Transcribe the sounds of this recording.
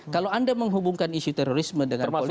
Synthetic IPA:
kalowandaməŋɦubuŋkanisut̪ɛɾoɾismədəŋanol

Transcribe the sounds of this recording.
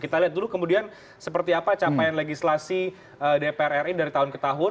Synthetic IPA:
kit̪aliɦat̪̚dulukəmudian | səpərt̪iapat͡ʃapajanleɡislasi | ədepeɛrɛridaɾit̪aɦʊnkət̪aɦʊ

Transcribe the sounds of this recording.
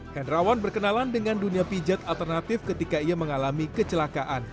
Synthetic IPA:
kanrawanbərkənalandəŋanduniapid͡ʒat̪alt̪ərnat̪ɪfkət̪ikaiaməŋalamikət͡ʃəlakaʔan

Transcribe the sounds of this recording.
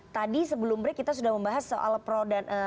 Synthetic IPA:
t̪adisəbəlʊmbɾɛkit̪asudahməmbaɦasːoʔa̰lpɾodanʔə

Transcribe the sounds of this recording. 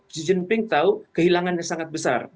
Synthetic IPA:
sid͡ʒənpɪŋt̪aukəɦilaŋanɲasaŋat̪̚bəsa̰r

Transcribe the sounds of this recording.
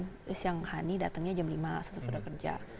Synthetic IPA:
n | ɪsjaŋhanidat̪əŋɲad͡ʒamlimasasəsudakərd͡ʒa̰

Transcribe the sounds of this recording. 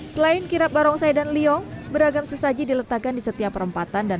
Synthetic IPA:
səlaɪnkiɾap̚baɾɔŋsajdanliɔŋbəɾaɡamsəsad͡ʒidilət̪akandisət̪iapːəɾəmpat̪anda

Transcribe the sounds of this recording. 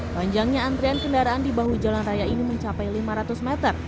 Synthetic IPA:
paɲd͡ʒaŋɲaːnt̪ɾiankəndaɾaːndibaɦud͡ʒalanrajainiməɲt͡ʃapajlimaɾat̪usmɛt̪ər

